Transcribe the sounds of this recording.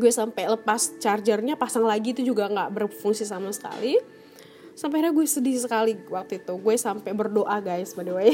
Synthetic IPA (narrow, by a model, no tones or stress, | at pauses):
ɡuɛsampɛləpast͡ʃard͡ʒərɲapasaŋlaɡiːt̪ud͡ʒuɡaŋɡaʔbərfuŋsisamasə̥ka̰li | samp̬ɛaɾaɡuɛsədiɾisəkaliwak̚t̪uit̪uɡuɛsampɛbərdoʔaɡajsbadawaj